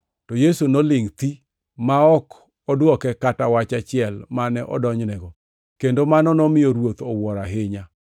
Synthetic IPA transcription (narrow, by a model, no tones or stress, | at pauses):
tɔjesunolɪŋt̪i | maɔk | ɔdwɔkɛkatawat͡ʃat͡ʃɪɛlmanɛʔɔ̰dɔɲnɛɡɔ | kendomanɔnɔmɪjoɾwot̪ɔwɔɾaɦɪɲa